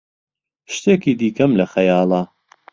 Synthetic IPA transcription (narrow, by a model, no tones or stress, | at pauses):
ʃt̪eːkiːd̪iːkɐmlɐxɐjɑːlˠɑː